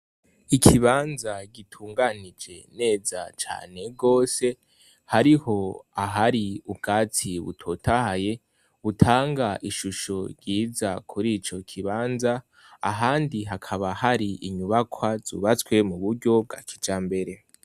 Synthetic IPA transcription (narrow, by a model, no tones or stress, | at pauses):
ikʰiβaːnzaɡitʰuːŋɡanid͡ʒe̞̰ne̞ːza̰t͡ʃa̰ːne̞ɡo̞ːse̞ | haɾiho̞aɦaɾiub̚ɡaːt͡siβṵtʰo̞tʰahaje̞ | βutʰaːŋɡaʔiʃuʃo̞ɾɟiːzakʰuɾit͡ʃo̞kʰiβaːnza | a̰ɦaːndiɦakʰaβahaɾiʔiɲuβakʰwaz̥ṵβat͡swe̞muβuɾɟo̞b̚ɡakʰid͡ʒaːmbe̞ɾe̞